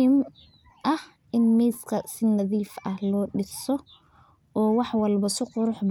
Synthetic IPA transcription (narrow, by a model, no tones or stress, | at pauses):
ɪm | ʔɐh | ʔɪnmɛːskʰɐsɪnɐðiːfɐhlɔːɖɪsɔ | ɔːwɑħwɑlbɐsɪqʊɾʊħb